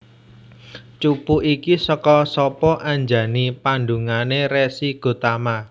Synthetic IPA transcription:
t͡ʃupuʔikisɔkɔsɔpɔʔaɲd͡ʒä̤nipanɖṳŋaneɾesiɡ̥o̤t̪ama

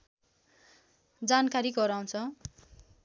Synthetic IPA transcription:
d͡zankaɾiɡʌɾaw̃t͡sʰʌ

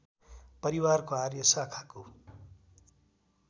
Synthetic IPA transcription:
pʌɾiwarkoarjʌsakʰḁko

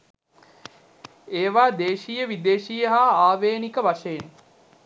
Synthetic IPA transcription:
eːʋaːd̪eːʃijəʋid̪eːʃijəɦaːaːʋeːnikəʋaʃəjen

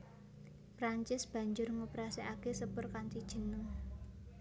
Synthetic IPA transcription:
pɾaɲt͡ʃɪsb̥ä̤ɲd͡ʒʊrŋupɾasiʔakesəpʊrkantid̥ʒ̥ə̤nʊŋ

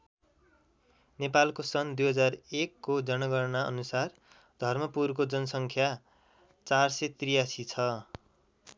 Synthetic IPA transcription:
nepalkosʌnd̪ujɦʌd͡zarekːod͡zʌnʌɡʌrnaʔʌ̰nusar | d̪ʱʌrmʌpurk̬od͡zʌnʌsʌŋkʰja | t͡sarsʌt̪rijasit͡sʰʌ

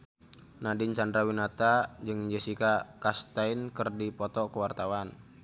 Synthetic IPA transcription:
nadɪɲt͡ʃandɾawinat̪ad͡ʒɨŋd͡ʒɛsikakast̪ainkərdipɔt̪ɔkəwart̪awan

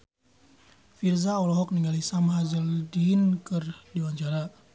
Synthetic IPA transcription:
firzaɔlɔɦɔk̚niŋɡalisamɦazəldinkərdiwaɲt͡ʃaɾa

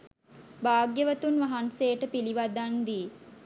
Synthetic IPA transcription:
baːɡjəʋət̪unʋaɦanseːʈəpiliʋad̪and̪iː

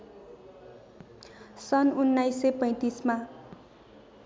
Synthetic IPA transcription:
sʌnunːajsepʌj̃t̪isma

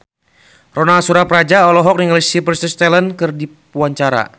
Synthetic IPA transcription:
rɔnasuɾapɾad͡ʒaɔlɔɦɔk̚niŋlisipərst̪əst̪ɛlənkɨrdipuaɲt͡ʃaɾa̰

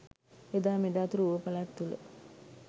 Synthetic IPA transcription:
ed̪aːmed̪aːt̪uɾəuʋəpalat̪ːulə̰

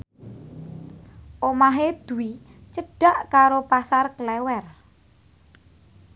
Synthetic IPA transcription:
ʔomaɦed̪̥ṳi | t͡ʃəɖ̥a̤ʔkaɾopasarklɛwɛr

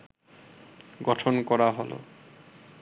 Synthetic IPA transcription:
ɡɔʈʰonkɔɾaɦolo̰

